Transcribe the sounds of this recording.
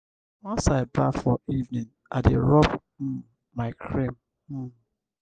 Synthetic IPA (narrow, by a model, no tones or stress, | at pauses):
ɔ̃saɪbafɔivnĩn | ʔa̰deɹɔp̩ | maɪkʰɹĩm̩